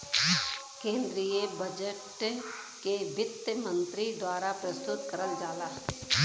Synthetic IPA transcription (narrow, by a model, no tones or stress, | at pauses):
kẽːnd̪ɾijebəd͡ʒəʈ | kebɪt̪əmə̃nt̪ɾid̪waːɾapɾəst̪ʊt̪kəɾəld͡ʒaːlaːɦɛ